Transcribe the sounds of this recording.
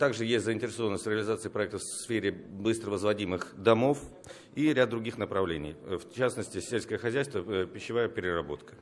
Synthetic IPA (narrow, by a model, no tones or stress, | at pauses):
t̪aɡʐɨjesʲtʲzəɪnʲtʲɪɾʲɪso̞vənəsʲt̪ʲɾʲɪəlʲɪzat̪sɨjəpɾɐɛk̚t̪əfsfʲeɾʲɪbɨst̪ɾəvəzvɐdʲimɨxd̪ɐmo̞f | iɾʲad̪̚d̪ɾʊɡʲixnəpɾɐvlʲenʲɪ̰jft͡ɕasnəsʲtʲɪsʲelʲskəjəxɐzʲæjst̪vəpʲɪɕːɪvajəpʲɪɾʲɪrɐbo̞̰t̪kə̥